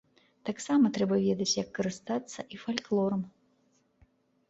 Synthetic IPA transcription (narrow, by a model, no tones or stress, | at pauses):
t̪aksamɐt̪ɾɛbɐvʲɛd̪ɐt͡sʲjɐkːɐɾɨst̪at̪sːɐʔifalʲklˠɔɾɐm